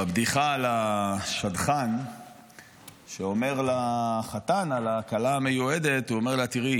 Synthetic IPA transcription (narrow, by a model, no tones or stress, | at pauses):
abd̪iχalaʃad̪χan | ʃeo̞me̞ʁlaχat̪analakalaːmejued̪e̞t̪uome̞ʁlat̪iʁi